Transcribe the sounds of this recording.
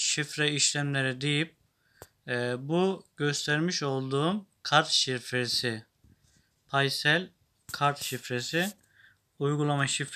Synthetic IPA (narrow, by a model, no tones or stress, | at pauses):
ʃifɾɛiʃlʲæmlʲeɾid̪e̞jip̚ː | buɟ̥ø̞st̪ʰæɾmiʃo̞lˠd̪uːmkʰaɾt̪ʃiɾfɾesɪ | pʰajsælʲ | kʰaɾt̪ʃifɾesi | ujɡulˠamaʃif